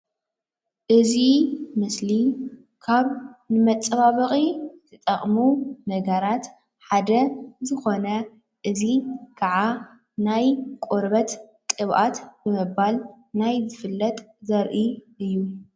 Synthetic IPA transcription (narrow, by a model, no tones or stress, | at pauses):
ʔɨzimɨsli | kʰaβnɨmɐt͡sʼːɐβaβɨχʼitʰɨt̪ʼɐχʼmunɐɡɐɾat̪ | ħad̪ɐzɨxo̞nɐ | ʔɨzikʰaʕa | najkʼoɾbɐt̪kʼɨβʔat̪b̥ɨmɨbal | najzɨfɨlːɐt̪ʼzɐɾʔiʔɨjːu